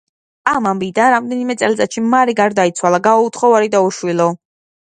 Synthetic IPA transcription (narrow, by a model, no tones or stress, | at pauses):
amambid̪anɾamd̪ɛnimɛt̪sʼɛlt̪sʼat̪ʃimaɾiɡaɾd̪ait̪sʰwalˠaɡaɔut̪ʰχɔvaɾid̪auʃwilɔ